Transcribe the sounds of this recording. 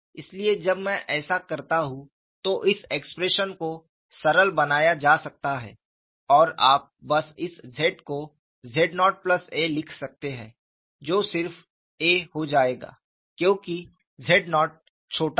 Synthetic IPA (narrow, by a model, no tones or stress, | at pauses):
ɪslied͡ʒɐbmɛ̃ʔɛːsakɐɾt̪aɦũ | t̪oʔɪseːkspɾeːʃənko | sɐɾəlbɐnaːjad͡ʒaːsɐk̚t̪aɦɛ̰ː | ɔːɾaːp̚bɐsɪszeːʈko | zʱeːɖnɔːʈ̚plɐseːlɪkʰsɐk̚t̪eɦɛ̰̃ː | d͡ʒoːsɪɾf | eːhod͡ʒaːeːɡa̰ː | kjõːki | zʱeːʈnɔːʈ̚ | t͡ʃʰoːʈa